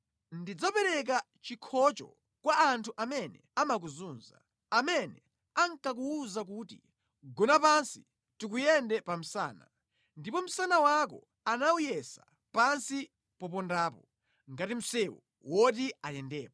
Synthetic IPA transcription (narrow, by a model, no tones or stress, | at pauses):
ndid͡zɔpɛɾɛk̬a | t͡ʃikʰɔt͡ʃɔ̰ | kwaantʰuʔamɛnɛamak̬uzuːnza̰ | amɛnɛ | aŋ̩kak̬uːzakuːtḭ | ɡɔnapansi | tikujɛndɛpam̩sa̰ːna̰ | ndipɔm̩sanawakɔ̰ | anaujɛsa | pansi | pɔpɔndaːpɔ | ŋɡatim̩sɛwɔ̰ | wɔt̬iajɛndɛːp̚ɔ